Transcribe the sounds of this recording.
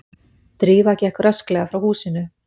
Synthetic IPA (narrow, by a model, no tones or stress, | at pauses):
t̪ɾiːvaɛcɛhkʏɾasklɛɣafɾawhuːsɪnʏ